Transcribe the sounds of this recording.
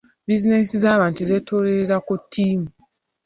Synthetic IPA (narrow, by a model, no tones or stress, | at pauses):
bizine̞sizaːβaːntize̞tʰoɾeeɾakutʰːiːmu